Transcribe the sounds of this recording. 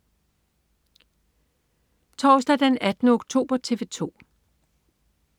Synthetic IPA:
t͡sʰɒːsd̥æd̥enæd̥nəoɡ̥t͡sʰo̝̰ːb̥ɐt͡sʰe̝ʋe̝t͡sʰo̝̰ː

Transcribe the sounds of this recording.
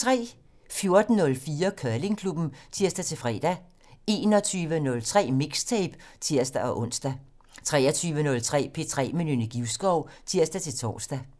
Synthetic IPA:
t͡sʰʁɛ̰ː | fjo̝ɐd̥n̩ːɔ̽lfiːɐkʰɶɐle̝ŋkʰlub̥n̩t͡sʰiɐ̰sd̥æt͡sʰe̝lfʁɛ̰ːd̥æ | e̝ːnɒ̽t͡sʰyːʋənɔ̽lt͡sʰʁɛ̰ːme̝ɡ̥st͡sʰɛːb̥t͡sʰiɐ̰sd̥æɒ̽ʔɔ̽n̰sd̥æ | t͡sʰʁɛːɐt͡sʰyːʋənɔ̽lt͡sʰʁɛ̰ːpʰe̝̰t͡sʰʁɛ̰ːminynəɡ̥iʊsɡ̥ɒʊt͡sʰiɐsd̥æt͡sʰe̝lt͡sʰɒ̰ːsd̥æ

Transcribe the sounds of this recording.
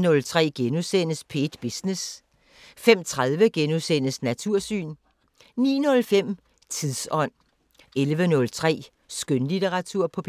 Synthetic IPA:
nɔ̽lt͡sʰʁɛ̰ːɡ̥enusen̰əspʰe̝d̥b̥isnes | fem̰t͡sʰʁaðˠʋəɡ̥enusen̰əsnæt͡sʰuɐ̰sy̰ːn | nḭːnɔ̽lfem̰ | t͡sʰiðˠsɒ̽n̰ | elʋənɔ̽lt͡sʰʁɛ̰ː | sɡ̥ønlit͡seʁɑ̈t͡sʰuɐ̰pʰɒ̽pʰ

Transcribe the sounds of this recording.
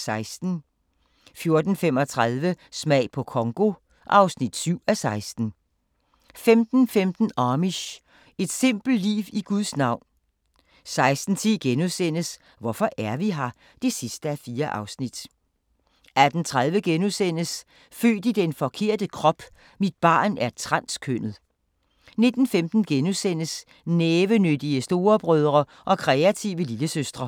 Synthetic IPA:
sɑ̈ɪsd̥n̩ | fjo̝ɐd̥n̩fem̰ɒ̽t͡sʰʁað̞ˠʋəsmɛ̰ɪ̰pʰɒ̽kʰɒ̽ŋɡ̥o̝ | ʔɑ̈ʊsnid̥syʊ̰æsɑ̈ɪsd̥n̩ | femd̥n̩femd̥n̩ɑːmiɕ | e̝d̥se̝m̰b̥l̩lḭːʋiɡ̥uðˠsnɑ̈ʊ̰n | sɑ̈ɪsd̥n̩t͡sʰiɡ̥enusen̰əs | ʋɒfɒ̽ʔæɐʋiɦɑ̈ | d̥e̝sisd̥əæfiːɐʔɑ̈ʊsnid̥ | æd̥n̩t͡sʰʁað̞ˠʋəɡ̥enusen̰əs | fø̰ːd̥id̥enfɒ̽kʰe̝ɐ̰d̥əkʰʁɒ̽b̥ | mid̥̚b̥ɑ̈ːnæɐt͡sʰʁɑn̰skʰøn̰ð̩ˠ | ne̝d̥n̩femd̥n̩ɡ̥enusen̰əs | neːʋənød̥iəsd̥o̝ːɐb̥ʁœð̞ˠʁɐ | ʔɒ̽kʰʁɛæt͡sʰiʊəliləsøsd̥ʁɐ

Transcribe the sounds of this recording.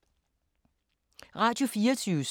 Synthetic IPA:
ʁɑ̈d̥jo̝fiːɐt͡sʰyːʊs

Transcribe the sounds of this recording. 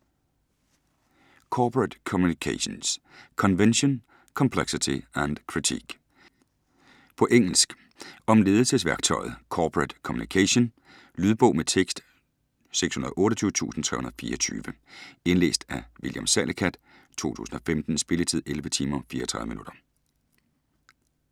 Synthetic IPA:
kʰɒːpʰʁæd̥kʰɒmjunikʰæɕons | kʰɒ̽nʋenɕo̝n | kʰɒ̽mpʰleɡ̥sit͡sʰiæn̥kʰʁit͡sʰḭɡ̥ | pʰɒ̽ʔeŋ̰l̩sɡ̥ | ɒ̽mle̝ːðˠl̩səsʋæɐɡ̥̚t͡sʰɒ̽ɪ̰ð̞̩ˠkʰɒːpʰʁad̥kʰɒmunikʰæɕo̝n | lyð̞ˠb̥ɔ̽ʊmet͡sʰeɡ̥sd̥ | seɡ̥shunɐðˠʔɔ̽ːɾɒt͡sʰyːʊə̥t͡sʰṵːsn̩t͡sʰʁɛ̰hunɐðˠfḭːɐɒt͡sʰy̰ːʋə | e̝nle̝̰ːsd̥æʋiljɑmsælʔekʰæd̥ | t͡sʰo̝̰ːt͡sʰṵːsn̩ɒ̽femd̥n̩sb̥e̝lət͡sʰið̞̰ˠelʋət͡sʰiːmɐfḭːɐɒt͡sʰʁɑ̈ðˠəmḭnud̥ɐ

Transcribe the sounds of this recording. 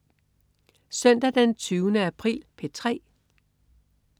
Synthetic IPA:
sœn̰d̥æd̥ent͡sʰyːʊnəæpʰʁḭːlpʰe̝t͡sʰʁɛ̰ː

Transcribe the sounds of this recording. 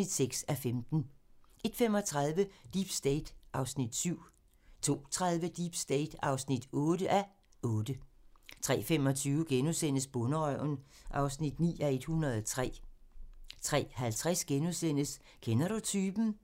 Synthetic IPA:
id̥seɡ̥sæfemd̥n̩ʔe̝d̥fem̰ɒ̽t͡sʰʁɑðˠʋəd̥ib̥sd̥eɪd̥ʔɑ̈ʊsnid̥syʊ̰ | t͡sʰo̝̰ːt͡sʰʁɑð̞ˠʋəd̥ib̥sd̥eɪd̥ɑ̈ʊsnid̥ɔ̽ːɾəʔæ | ʔɔ̽ːd̥ət͡sʰʁɛ̰ːfem̰ɒ̽t͡sʰyːʊɡ̥enusen̰əsb̥ɔ̽nəʁœʊ̰n̩ | ʔɑ̈ʊsnid̥nḭːæe̝d̥hunʁɐð̞ˠɒt͡sʰʁɛ̰ː | t͡sʰʁɛ̰ːhælt͡sʰʁɛsɡ̥enusen̰əs | kʰenɐd̥ut͡sʰyːb̥n̩

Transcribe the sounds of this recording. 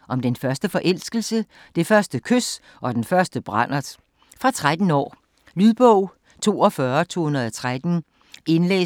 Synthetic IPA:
ʔɒ̽md̥enfɶɐsd̥əfɒ̽ʔel̰sɡ̥l̩sə | d̥e̝fɶɐsd̥əkʰøs | ʔɒ̽d̥enfɶɐsd̥əb̥ʁɑn̰ɐ̥ | fʁɑ̈t͡sʰʁad̥n̩ɒ̰ː | lyðˠb̥ɔʊ̰ | t͡sʰo̝̰ːɒ̽fɶɐt͡sʰo̝̰ːhunɐð̩ˠɒt͡sʰʁad̥n̩ | e̝nlḛː

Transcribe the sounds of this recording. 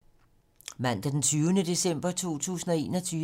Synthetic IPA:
mæn̰d̥æd̥ent͡sʰyːʊnəd̥e̝sem̰b̥ɐt͡sʰo̝̰ːt͡sʰṵːsn̩ɒ̽e̝ːnɒ̽t͡sʰyː

